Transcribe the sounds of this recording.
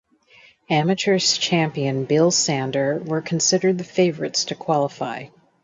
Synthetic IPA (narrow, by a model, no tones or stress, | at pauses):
æmɨt͡ʃə˞z̥t͡ʃʰæ̃mpiɨ̃nbɪlˠsæ̃ndə˞wə˞kʰn̩sɪɾə˞d̪̚ðɨfeɪvə˞ɨtstʰɨkʰw̥ɑlˠəfaɪ